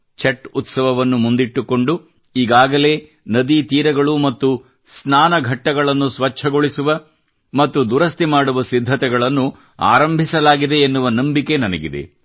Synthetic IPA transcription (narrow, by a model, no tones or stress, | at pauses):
t͡ʃɐʈːut̪sɐʋɐʋɐnːumund̪iʈːuko̞ɳɖu | iːɡaːɡɐle̞ː | nɐd̪it̪iːɾɐɡɐɭumɐt̪ːu | snaːnɐɡʱɐʈːɐɡɐɭɐnːusʋɐt͡ʃʰɐɡo̞ɭisuʋɐ | mɐt̪ːud̪uɾɐst̪imaːɽuʋɐsid̪ʱːɐt̪ɛɡɐɭɐnːu | a̰ːɾɐmbʱisɐlaːɡid̪e̞ːnːuʋɐnɐmbike̞nɐnɐ̰ɡḭd̪e̞̰